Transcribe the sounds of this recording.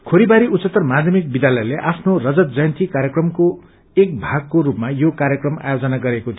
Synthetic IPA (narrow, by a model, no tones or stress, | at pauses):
kʰoɾibaɾiut͡sʌt̪ːʌrmad̪ʱjʌmik̚bid̪jalʌjleʔapʰnorʌd͡zʌt̪d͡zʌjʌnt̪ikaɾjekrʌmko | ek̚bʱaɡ̚koɾupmajokaɾjʌkrʌma̰jod͡zʌnaɡʌɾekot̪ʰi